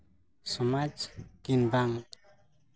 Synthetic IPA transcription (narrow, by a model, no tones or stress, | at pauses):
sɔmad͡ʒɡ̥inbaŋ